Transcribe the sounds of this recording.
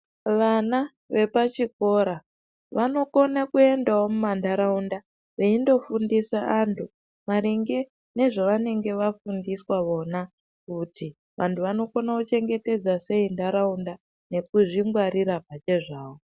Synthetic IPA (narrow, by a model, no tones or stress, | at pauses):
ʋana | ʋe̞pat͡ʃiko̞ɾa | ʋano̞ko̞nakue̞ndawo̞mumandaɾaunda | ʋeindo̞fundisaːntʰu | maɾiŋɡe̞ | ne̞ʐoʋane̞ŋɡe̞ʋafundiswaʋo̞na | kuti | ʋʔantʰuʋano̞ko̞nakut͡ʃe̞ŋɡe̞te̞d͡zase̞indaɾaunda | ne̞kuʐiŋɡwaɾiɾapat͡ʃe̞ʐaːwo